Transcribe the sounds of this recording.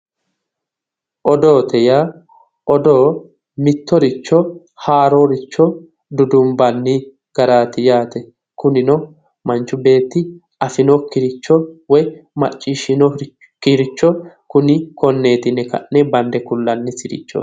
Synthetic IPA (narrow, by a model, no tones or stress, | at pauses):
ʔɔd̪oːt̪ɛja | ʔɔd̪oː | mɪt̪ːɔɾɪt͡ʃːɔ | haːɾoːɾɪt͡ʃːɔ | d̪ʊd̪ʊmbɐnːɪ | ɡ̥ɐɾaːt̪ɪjaːt̪ɛ | kʊnɪnɔ | mɐnt͡ʃːʊbe̞ːt̪ːɪ | ɐfɪnɔkːɪɾɪt͡ʃːɔwɔjmɐt͡ʃʼːɪːʃɪnɔ | kɪɾɪt͡ʃːɔkʊnɪkɔnːe̞ːt̪ɪnɛkɐ̰ʔːɛbɐnd̪ɛkʊlːɐnːɪsɪɾɪ̰t͡ʃːɔ̰